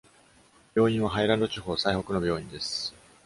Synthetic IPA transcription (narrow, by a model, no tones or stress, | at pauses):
b̥ʲjo̞ːĩɰ̃βaɦaiɾãnd̪o̞t͡ɕiɦo̞ːsaiho̞kɯ̟no̞bʲjo̞ːĩnd̪e̞sɨ̥